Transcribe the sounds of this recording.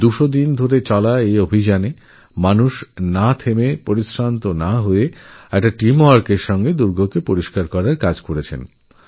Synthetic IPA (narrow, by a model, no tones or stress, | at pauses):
d̪uʃod̪ind̪ʱoɾet͡ɕɔlaeobʱid͡ʑane | manuʃnat̪ʰemepoɾiʃɾant̪onaɦoeɛk̚ʈaʈimoaɾkeɾʃɔŋɡed̪uɾɡʱokepoɾiʃkaɾkɔɾaɾkad͡ʑkoɾet͡ɕʰḛn